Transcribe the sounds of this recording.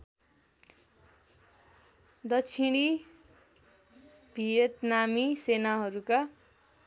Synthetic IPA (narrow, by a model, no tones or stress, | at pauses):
d̪ʌt͡sʰiɽ̃i | bʱijet̪namisenaɦʌɾuka